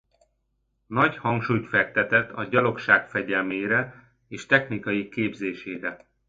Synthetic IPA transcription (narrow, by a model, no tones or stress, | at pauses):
nɒchɒŋkʃuːjt̪fɛk̚t̪ɛt̪ɛt̪ʰɒɟɒlo̞kʃaːkfɛɟɛlmeːɾɛ | eːʃt̪ɛxnikɒjikeːbzeːʃeːɾɛ